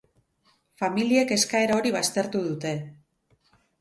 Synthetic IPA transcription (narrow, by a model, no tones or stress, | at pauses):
familie̞ke̞skae̞ɾao̞ɾiβ̞ast̪e̞ɾt̪uðut̪e̞